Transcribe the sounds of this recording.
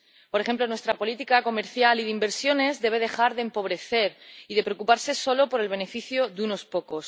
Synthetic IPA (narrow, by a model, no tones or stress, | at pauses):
ppoɾe̞xe̞mplo̞nwest̪ɾapo̞lit̪ikako̞me̞ɾθjaliðeimbe̞ɾsjo̞ne̞zðe̞β̞e̞ð̞e̞xaɾðe̞mpo̞β̞ɾe̞θe̞ɾiðe̞pɾeokupaɾse̞so̞lopo̞ɾe̞lβe̞ne̞fiθjoðuno̞spo̞ko̞s